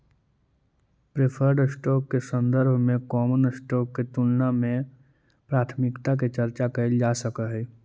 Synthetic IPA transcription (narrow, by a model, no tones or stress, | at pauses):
pɾepʰəɾɖsʈɔːkːesə̃nd̪əɾbʱmẽkɔːmənsʈɔːkːet̪ʊlnamẽ | pɾaːt̪ʰmɪkt̪ak̬et͡ʃɐɾt͡ʃakɐɪld͡ʒaːsəkəɦɛː